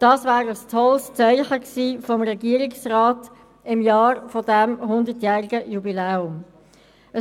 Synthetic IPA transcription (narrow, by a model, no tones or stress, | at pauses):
d̥ɑːsvæːɾəstʰɔlst͡sœʏχəksiːfɔmɾɛɡiːəɾɪksrɑːt | ɪmjɑːɾfɔdɛmɦʊnd̪ətjæːɾɪɡəjubilɛːʊm | ə